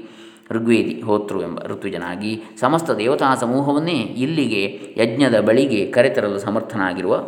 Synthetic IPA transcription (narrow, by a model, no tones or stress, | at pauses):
ɾuɡʋeːd̪iɦoːt̪ɾuembɐ̰ɾut̪ʋud͡ʒɐna̰ːɡisɐmɐst̪ɐd̪ɛːʋɐt̪aːsɐmuːɦɐʋɐnːeːilːiɡe̞jɐd͡ʒɲɐd̪ɐbɐɭiɡe̞kɐɾet̪ɐɾɐlːusɐmɐɾt̪ʰɐnaːɡiɾuʋɐ